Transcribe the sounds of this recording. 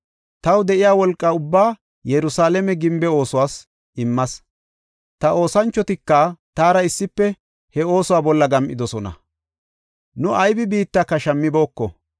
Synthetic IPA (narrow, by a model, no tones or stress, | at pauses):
t̪ɐwd̪ɛʔɪjaːwɔlkʼːɐʊbːaː | jɛɾʊsaːlɛmɛɡɪmbɛo̞ːsʊwaːs | ʔɪmːɐs | t̪ɐo̞ːsɐnt͡ʃːɔt̪ɪkːɐt̪aːɾɐɪsːɪpːɛ | hɛo̞ːsʊwaːbɔlːɐɡɐmʔɪd̪ɔsɔnɐ̰ | nʊʔɐjbɪbiːt̪ːakːɐʃɐmːɪbo̞ːkːɔ